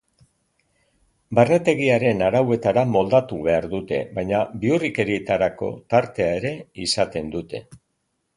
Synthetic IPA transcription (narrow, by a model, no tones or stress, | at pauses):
barne̞t̪e̞ɣ̞iaɾe̞naɾawe̞t̪aɾamo̞ld̪at̪uβe̞aɾðut̪e̞̰βajɲabiurike̞ɾit̪aɾako̞̰t̪aɾt̪e̞ae̞ɾe̞isat̪e̞nd̪ut̪e̞